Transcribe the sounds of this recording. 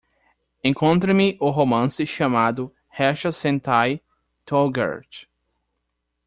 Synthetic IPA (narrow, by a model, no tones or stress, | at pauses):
ẽkõnt̪ɾɐmɪʔʊɦomɐ̃sɪʃɐmad̪ʊ | hɛʃɐsẽnt̪aj | t̪ʰoɡa̰ɾt͡ʃ